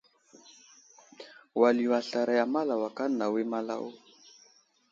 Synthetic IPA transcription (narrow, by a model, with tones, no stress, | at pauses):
wa˨li˨wa˨ɬa˨ɾa˨ja˨ma˦la˨wa˨ka˦na˨we˦ma˦la̰˦wɔ˦